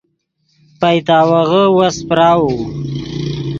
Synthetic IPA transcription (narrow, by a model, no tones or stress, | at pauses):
pajt̪ɑːwaɣəwaspɾɑːwu